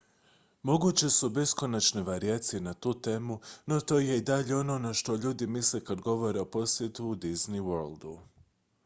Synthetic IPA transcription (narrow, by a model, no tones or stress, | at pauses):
mo̞ɡut͡ɕe̞sube̞sko̞nat͡ʃne̞ʋaɾiat̪sienat̪uːt̪e̞ːmuno̞t̪o̞ːje̞id̪aʎe̞o̞no̞naʃt̪o̞ʎuːd̪imisle̞kad̪ɡo̞ʋo̞ɾeo̞po̞sje̞t̪uːd̪izniwøɾld̪u